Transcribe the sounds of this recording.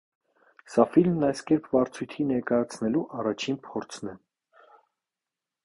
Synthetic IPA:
sɑfilmnɑjskɛɾpʰvɑɾt͡sʰujt̪ʰinɛɾkɑjɑt͡sʰnɛluʔɑrɑt͡ʃʰinpʰɔɾt͡sʰnɛ

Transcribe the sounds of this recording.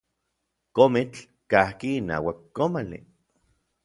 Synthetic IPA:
komit͡ɬ | kahkiːna̰ːwakːomalḭ

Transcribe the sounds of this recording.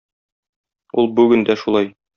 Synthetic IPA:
ulˠbʉɡɘ̆nd̪æʃulˠɑj

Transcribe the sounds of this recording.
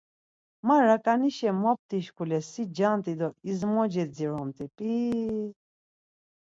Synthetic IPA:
maɾakʼaniʃɛmɔp̚t̪iʃkʰulɛsid͡ʒant̪ʼid̪ɔizmɔd͡ʒɛd͡ziɾɔmt̪ʼipʼi

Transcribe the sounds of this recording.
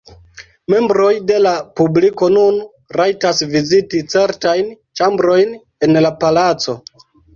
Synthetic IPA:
me̞mbɾo̞jde̞lapubliko̞nun | ɾajtasvizitit͡se̞ɾtajn | t͡ʃambɾo̞jn | e̞nlapalat͡so̞

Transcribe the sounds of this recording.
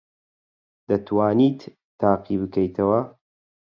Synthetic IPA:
d̪̥ɐt̪ʰwaːnit̪ː | aːqibɨkɐjt̪ʰɐwɐ

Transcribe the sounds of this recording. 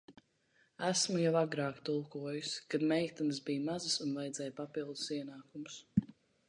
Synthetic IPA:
æsmujawaɡɾaːkt̪ulˠkuɔjuskad̪mɛjkt̪uns̬bijmazɨsunvajd̪zɛjpapilˠd̪u̥siɛnaːkums

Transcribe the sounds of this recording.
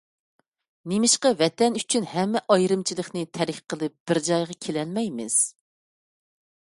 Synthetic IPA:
nemɪʃqɑvɛt̪ɛnyt͡ʃʰynhɛmːɛʔɑjɾɨmt͡ʃʰilˠəχnɨt̪ʰɛɾɪkʲqʰəlˠɨp̚b̥ɪɾd͡ʒɑjʁɑkʲʰelɛlmɛjmɪ̰z̥

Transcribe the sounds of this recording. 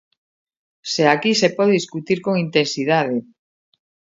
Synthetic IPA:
seakisepɔðeðiskut̪iɾkoŋint̪ensiðað̞e

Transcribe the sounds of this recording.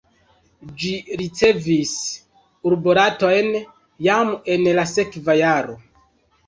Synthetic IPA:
d͡ʒiɾit͡se̞vis | uɾboɾato̞jn | jame̞nlase̞kvajaɾo̞

